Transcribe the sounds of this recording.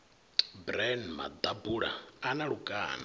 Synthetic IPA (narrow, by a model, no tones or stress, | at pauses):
bɾɛnma̰d̪abuɺa̰anaɺukʼa̰ːna